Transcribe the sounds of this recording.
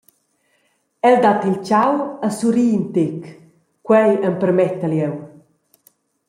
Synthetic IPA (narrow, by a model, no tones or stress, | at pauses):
ɛld̪at̪ilt͡ʃawəsuɾiːnt̪ek | kwɛjəmpəɾmɛt̪əljɛw